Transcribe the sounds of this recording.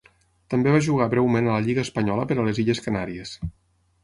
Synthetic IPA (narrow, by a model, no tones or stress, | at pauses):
t̪əmbeβaʒuɣ̞aβɾɛwmenələʎiɣəːspəɲɔləpəɾəleziʎəskənaɾies